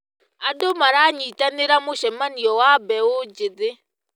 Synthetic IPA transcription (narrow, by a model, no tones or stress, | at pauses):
adɔmaɾaɲitaniɾamuʃɛmanijɔwabɛwud͡ʒid͡zi